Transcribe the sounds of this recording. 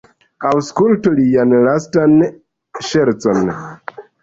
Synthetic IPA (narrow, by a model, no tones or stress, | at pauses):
awskultolijanlastan | ʃeɾt͡son